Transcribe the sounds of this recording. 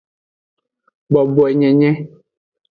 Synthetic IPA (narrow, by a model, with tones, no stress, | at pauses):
bɔ˨bɔ˨ɛ˨ɲɛ̃˨ɲɛ̃˦